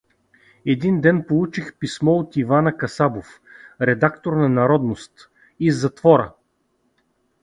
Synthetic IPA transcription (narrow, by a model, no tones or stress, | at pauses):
ɛd̪ind̪ɛnpolˠut͡ʃixpismɔot̪ivanəkɐsabof | ɾɛd̪akt̪oɾnɐnɐɾɔd̪nost̪ | izːɐt̪vɔɾə̰